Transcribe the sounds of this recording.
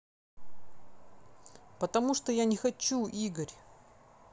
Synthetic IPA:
pət̪ɐmuʂt̪ojanʲɪxɐt͡ɕːuʔiɡəɾʲ

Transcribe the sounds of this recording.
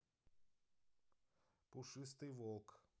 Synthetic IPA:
pʊʂɨst̪ɨjvolˠk

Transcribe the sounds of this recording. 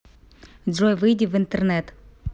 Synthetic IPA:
ojvɨjdʲɪvɨnt̪ɨrnɛt̪

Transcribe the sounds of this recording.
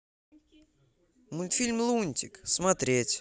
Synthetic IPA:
mʊnʲt̪fʲilʲmlˠunʲtʲɪksmɐt̪ɾʲetʲ

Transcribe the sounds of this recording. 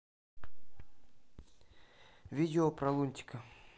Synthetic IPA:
vʲidʲɪopɾɐlˠunʲtʲɪ̥kə

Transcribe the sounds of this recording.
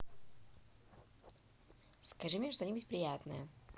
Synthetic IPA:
skɐʐɨmʲeʂt̪onʲibutʲpɾʲɪjat̪nə̰jə

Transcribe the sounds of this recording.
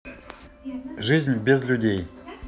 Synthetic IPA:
ʐɨzʲnʲbʲɪzlʲʊdʲej

